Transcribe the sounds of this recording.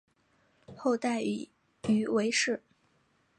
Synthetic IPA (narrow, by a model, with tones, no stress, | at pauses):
xo˥˧ʊt̪a˥˩ɪ | y˨˧˩we˧˥ɪʂɻ̩˥˩